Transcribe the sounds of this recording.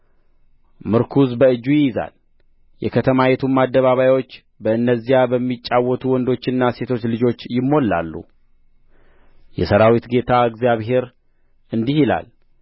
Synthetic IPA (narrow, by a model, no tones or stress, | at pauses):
mɨɾkʰuzbəɨd͡ʒːujɪjɪza̰l | jɛ̰kʰət̪ʰəmajɛt̪ʰumːad̪ːəβaβajwot͡ʃː | bəɨnːəzːijabəmːit͡ʃʼːawːɔt̪ʰuwɔnd̪o̞t͡ʃːɪnːase̞t̪ʰo̞t͡ʃːlɨd͡ʒo̞t͡ʃːjɪmːo̞lːa̰lːṵ | jɛ̰səɾawit̪ɡe̞t̪ʰaɨɡzijaβɦe̞ɾ | ɨnd̪ihila̰l